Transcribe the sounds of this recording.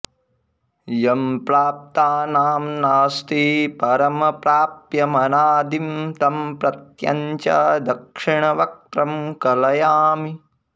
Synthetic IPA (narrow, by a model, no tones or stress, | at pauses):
jɐmpɾaːp̚t̪aːnaːmnaːst̪ipɐɾɐmɐpɾaːpjɐmɐnaːd̪imt̪ɐmpɾɐt̪jɐ̰ɲt͡ʃɐd̪ɐkʂiɳɐʋɐk̚t̪ɾɐmkɐlɐjaːmi